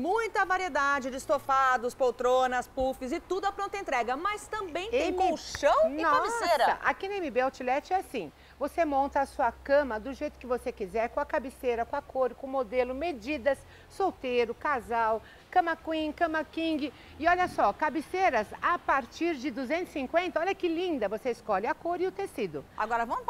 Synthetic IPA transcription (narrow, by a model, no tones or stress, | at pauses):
mũj̃t̪ɐvaɾied̪ad͡ʒɪd͡ʒɪst̪ofad̪ʊspowt̪ɾõnɐspufɪzɪt̪ud̪ʊɐpɾõnt̪ɐẽnt̪ɾɛɡɐmɐst̪ɐ̃mbẽj̃t̪eẽmkoʃɐ̃w̃nɔaisesɾɐɐ̰a̰kinɐemɪbeawt͡ʃilɛt͡ʃɪɛasĩ | vosemõnt̪ɐasuɐkɐ̃mɐd̪ʊʒejt̪ʊ̥kɪvosekizɛɾkõɐkabɪseɾɐkõɐkoɾɪkõmod̪elʊmed͡ʒid̪ɐsː | owt̪eɾʊkazaw | kɐ̃mɐkwĩkɐ̃mɐkĩɡɪ | ɪɔʎɐsɔkabiseɾɐzapaɾt͡ʃiɾd͡ʒɪd̪uzẽnt̪zʊ̥ɪ̥sĩŋkwẽnt̪ɐɔʎɐkɪlĩnd̪ɐvoseɪskɔlɪɐkoɾɪʊt̪esid̪ʊaɡɔɾɐvɐ̃m